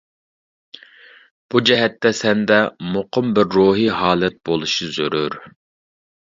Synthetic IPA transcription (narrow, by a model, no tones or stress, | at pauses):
b̥ud͡ʒɛɦɛt̪ːɛsɛnd̪ɛmoqʰʊmbɪɾːoːɦiɦɑːlˠɛt̪̚b̥olˠuʃizøɾyɾ